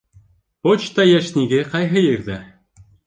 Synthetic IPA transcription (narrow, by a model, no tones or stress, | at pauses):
pot͡ɕt̪ɑjæʃnʲiɡɘqɑjɦɤjɘ̆ɾðæ